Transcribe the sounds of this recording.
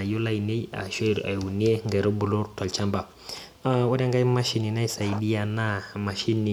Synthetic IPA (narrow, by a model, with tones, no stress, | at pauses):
a˨ju˦la˦jne˦ja̰˨ʃe˦ɾa̰˨jwu˨ni˦e˦ŋɡɛ˨ɾo˦bu˨lu˦ɾtɔ˨lt͡ʃa˦mba˨ | a˦wa˦da˦ŋɡa˦jma˦ʃi˦ni˨na˦jsa˨jdi˦a˨na˦ma˨ʃi˦nːi˨